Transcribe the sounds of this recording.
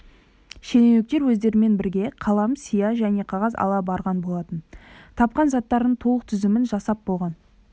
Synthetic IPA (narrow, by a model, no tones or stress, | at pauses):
ʃe̞nenek̚t̪e̞ɾwɵzd̪e̞ɾɪme̞nbɪɾɡʲe̞qʰɑlˠɑmsijɑʒæne̞qʰɑʁɑzɑ̰lˠɑbɑɾʁɑnbo̞lˠɑt̪ənt̪ʰɑp̚qɑnzɑt̪ːɑɾd̪əɴt̪ʰolˠəq̚t̪ʰʏzɪmɪnʒɑsɑp̚bo̞lˠʁɑn